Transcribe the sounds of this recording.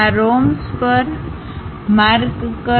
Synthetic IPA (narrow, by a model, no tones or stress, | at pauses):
aɾomspəɾ | maɾkkə